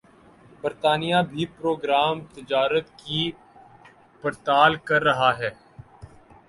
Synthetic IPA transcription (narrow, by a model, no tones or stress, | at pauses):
bəɾt̪aːnijabʱipɾoːɡɾaːmt̪ɪd͡ʒaːɾət̪ki | pəɾt̪aːlkɐɾːɐɦaɦɛː